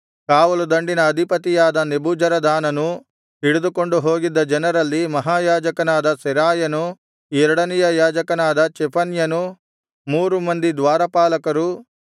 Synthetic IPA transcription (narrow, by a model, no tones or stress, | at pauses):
kaːʋɐlud̪ɐɳɖinɐːd̪ʱipɐt̪ijaːd̪ɐnebuːd͡ʒɐɾɐd̪aːnɐnu | ɦiɽud̪ukoɳɖuɦoːɡid̪ːɐd͡ʒɐnɐɾɐlːimɐɦaːjaːd͡ʒɐkɐnaːd̪ɐsɛɾaːjɐnu | ɛɾɐɽɐnijɐjaːd͡ʒɐkɐnaːd̪ɐt͡ʃɛpʰɐnjɐnu | muːɾumɐnd̪id̪ʋaːɾɐpaːlɐkɐɾu